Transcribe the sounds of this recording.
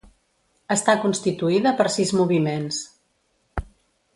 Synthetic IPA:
əst̪akunst̪it̪uiðəpəɾsizmuβ̞imens

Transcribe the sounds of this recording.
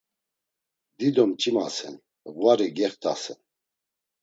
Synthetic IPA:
d̪id̪ɔmt͡ʃʼima̰sɛ̰n | vwaɾiɡɛχt̪ʰa̰sɛn

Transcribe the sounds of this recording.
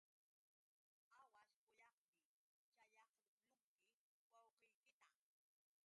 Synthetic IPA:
awasqʊjɑχmɪ | t͡ʃajɑχʊlʊmkɪ | wɑwqɪjkɪt̪a

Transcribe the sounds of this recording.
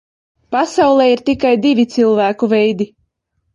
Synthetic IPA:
pasawlˠɛːiɾt̪ikajd̪ivʲit̪silˠvæːkuvɛjd̪i

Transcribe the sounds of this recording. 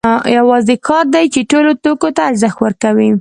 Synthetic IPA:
jawɑzekʰɑɾd̪ajt͡ʃeʈolot̪okot̪aːɾzaxt̪wəɾkawi

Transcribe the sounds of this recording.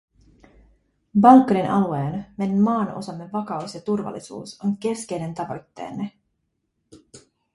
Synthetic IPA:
bɑlkːɑɾinʔɑ̰lue̞ːnmenmɑːno̞̰sɑmːe̞ːɑkɑwsjɑt̪urʋɑ̰lːisṵːsonke̞ske̞jne̞nt̪ɑʋo̞̰jt̪ːe̞̰ːnːe

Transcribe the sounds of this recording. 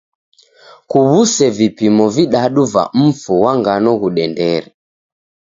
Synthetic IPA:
kuβusɛvipimɔviɗaɗuva̰m̩fuwaŋɡanɔɣuɗɛndɛɾɛ

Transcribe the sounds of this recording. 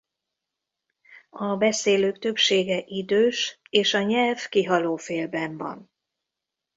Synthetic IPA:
ɒbɛseːløːkt̪ø̞pʃeːɡɛʔid̪øːʃeːʃɒɲɛlvkiɦɒloːfeːlbɛɱvɒ̰n

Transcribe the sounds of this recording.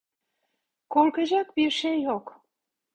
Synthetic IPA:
kolkəʑɑkbiʃejok

